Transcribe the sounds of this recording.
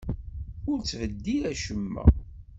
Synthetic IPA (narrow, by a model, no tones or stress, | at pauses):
ʊɾt͡sːvəd̪ːiɾæʃəmːæ̰